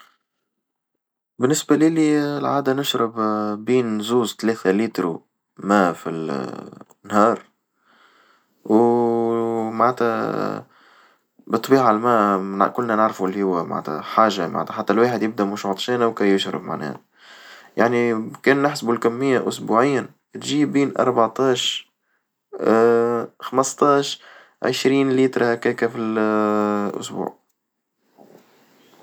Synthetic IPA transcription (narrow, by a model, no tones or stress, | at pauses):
bɪnːɪsbæliːliɪlʕaːd̪ænɪʃɾɑbbiːnzuːzt̪læːθæliːt̪ɾu | mæfil | nːhɑːɾˤ | w | maʕnæːt̪hæ̰ | bɨt̪ˤːbiːʕalmænkʊlːnænaʕɾfuɪlːihʊwːæmaʕnæ̰ːt̪æ̰ħaːʒama̰ʕæ̰t̪ħat̪ːælwaːħɪd̪jɪb̚d̪æmʊʃʕt̪ˤʃæːnæwkɛjʊʃɾə̰bma̰ʕnæ̰ːhæ | jaʕnikɛːnːɪħsbulkæmːɪjːaʔʊsbuːʕɪjːan | t̪ʒiːbiːnʔɑ̰ɾˤbaʕt̪ˤɑːʃ | xɑməst̪ˤɑːʃ | ʕɪ̰ʃɾiːnliːt̪ɾˤɑhkɛːkæfil | ʔʊ̰sbṵːʕ